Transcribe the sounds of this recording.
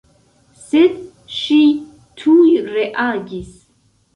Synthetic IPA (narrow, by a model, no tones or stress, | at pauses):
sɪd̪ | ʃi | t̪ʰujɾɛʔaːɡis